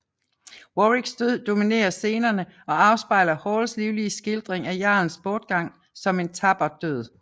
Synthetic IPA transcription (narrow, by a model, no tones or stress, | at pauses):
woʁiɡ̥sd̥øð̞̰ˠd̥o̝mine̝̰ːɐse̝ːnɐnəɒ̽ɑ̈ʊsb̥ɑ̈ɪ̰lɐhɒːlsliʊliəsɡ̥eld̥ʁeŋæjɑ̰̈n̩sb̥ɒːd̥̚ɡ̥ɑ̈ŋ̰ | sɒ̽me̝nt͡sʰɑ̈b̥ɐd̥øð̞̰ˠ